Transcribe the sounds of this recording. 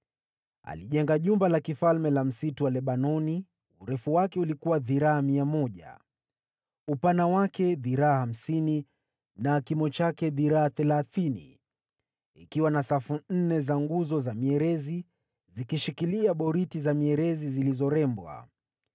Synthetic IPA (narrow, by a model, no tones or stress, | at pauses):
a̰liʄɛŋɡaʄumbalakifalmɛlam̩situwalɛɓanɔni | uɾɛfuwakɛulikuwaðiɾaamiamɔʄa̰ | upanawakɛðiɾaaham̩sini | nakimɔt͡ʃakɛðiɾaaθɛlaθinḭ | ḭkiwanasafun̩nɛzaŋɡuzɔzamiɛɾɛzi | zikiʃikiliaɓɔɾitizamiɛɾɛzizilizɔɾɛmbwa̰